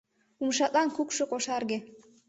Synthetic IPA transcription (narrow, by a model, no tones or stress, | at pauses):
umʃɑt̪lɑnkukʃŏkoʃɑrɣĕ